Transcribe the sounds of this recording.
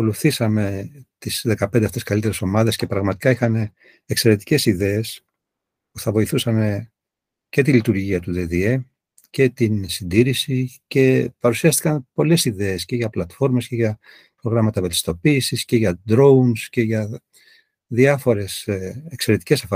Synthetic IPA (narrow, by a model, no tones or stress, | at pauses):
ɐko̞luθisɐme̞t̪isðe̞kɐpnd̪ɐft̪eskɐlit̪e̞ɾe̞so̞mɐðe̞sce̞pɾɐɣmɐt̪i̥kɐixɐne̞ː | kse̞ɾe̞t̪i̥ce̞siðe̞es | puθɐvo̞iθusɐne | ce̞t̪ilit̪uɾʝiɐt̪uðeðie | ce̞t̪insind̪iɾisice̞pɐɾusiɐst̪i̥kɐnpo̞le̞siðe̞ːsce̞ʝɐplɐt̪fo̞ɾme̞sceʝɐ | pɾo̞ɣɾɐmɐt̪ɐve̞lt̪i̥st̪o̞piːsisce̞ʝɐd̪ɾo̞unsce̞ʝɐ | ðiɐfo̞ɾe̞sekse̞ɾe̞t̪i̥ce̞sɐf